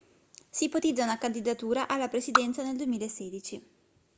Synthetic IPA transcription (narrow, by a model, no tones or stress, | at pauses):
simpot̪id̪zːaunakand̪id̪at̪uːɾaʔalːapɾesid̪ɛnt̪saneld̪uemiːlaesːɛːd̪it͡ʃi